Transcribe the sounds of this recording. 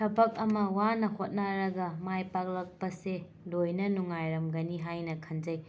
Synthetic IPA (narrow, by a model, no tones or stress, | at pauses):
tʰɐbɐk̚ɐmɐwanɐhot̚naɾɐɡɐmajpak̚lɐk̚pɐse | lojnɐnuŋajɾɐmɡɐniɦajnɐkʰɐnd͡ʒɐj